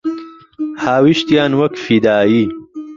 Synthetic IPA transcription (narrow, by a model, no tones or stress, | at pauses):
haːwiʃt̪jaːnwɐkfid̪aːjiː